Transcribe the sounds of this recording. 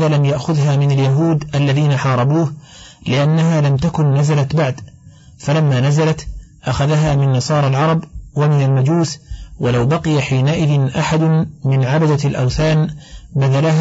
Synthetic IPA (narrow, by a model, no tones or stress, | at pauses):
aːlamjaʔxʊðɦaːmɪnaljaɦuːd̪ʔalːaðiːnaħɑːɾˤɑbuːh | lɪʔanːaɦaːlamt̪akʊnːazalat̪baʕd̪ | falamːaːnazalat̪ʔaxaðaɦaːmɪnːɑsˤɑːɾˤɑlʕɑɾˤɑbwamɪnalmad͡ʒuːswalawbɑqɪjaħiːnaʔɪðɪnʔaħad̪ʊmɪnʕabad̪alʔawθaːnbaðalah